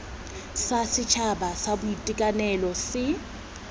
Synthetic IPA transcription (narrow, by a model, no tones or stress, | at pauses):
sasɪt͡ʃʰabasabʊitʼikʼanɛlɔsɪ